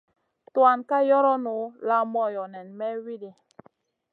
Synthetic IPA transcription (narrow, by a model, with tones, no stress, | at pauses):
twa˨nka˦jɔ˦ɾɔ˦nu˨˦la˦mɔ˦jɔ˨nɛ˨nmɛ˦wi˦de˨